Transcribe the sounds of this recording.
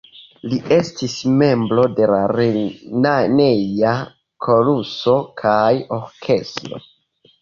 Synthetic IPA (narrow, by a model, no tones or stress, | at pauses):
lie̞stisme̞mbɾo̞de̞laɾenane̞ja | kʰo̞luso̞kʰajo̞ɾkʰe̞stɾo̞̰